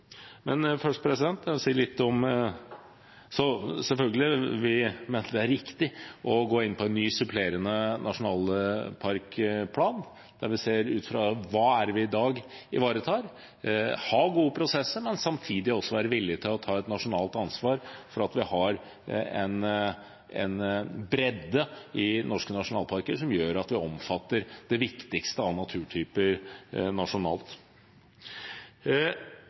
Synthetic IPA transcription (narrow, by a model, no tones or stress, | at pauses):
mɛnfœʂʈpʰɾɛsɪd̪ɛnt̪ɑsiːlɪt̪ːɔm | sɔsɛlfœlɡəlɪʋɪmeːnəd̪ɛæɾɪkt̪ɪʔɔɡoːɪnːpʰɔɛnːyːsʉpʰleːɾənənɑʂʊnɑːlpʰɑɾkpʰlɑːn | d̪̥æɾʋɪseːɾʉ̰ːt̪fɾɑʋɑːæɾʋɪɪd̪ɑːɡ | ɪʋɑːɾət̪ʰɑːɾ | hɑɡuːəpʰɾʊsɛsːəmɛnsɑmt̪ʰiːd̪ɪɔsːɔʋæːɾəʋɪlːɪət̪ʰɪlɔt̪ʰɑːɛt̪nɑʂʊnɑːlt̪ɑnsʋɑːɾfɔɾɑt̪ʋɪhɑɾ | ɛn | ɛ̰nbɾɛd̪ːəɪnɔʂkənɑʂʊnɑːlˠpʰɑɾkəʂɔmjøːɾɑt̪ʋɪɔmfɑt̪ːəɾd̪̥ɛʋɪkt̪ɪkst̪əɑnɑt̪ʰʉːʈʰyːpəɾnɑʂʊnɑ̰ːlt̪